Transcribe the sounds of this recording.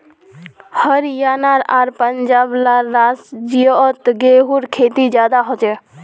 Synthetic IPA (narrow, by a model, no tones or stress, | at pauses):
həɾjaːnaːɾaːɾpənd͡ʒaːblaːaːsd͡ʒijɔt̪ɡeɦuɾkʰeːt̪id͡ʒjaːd̪aɦot͡ʃɛ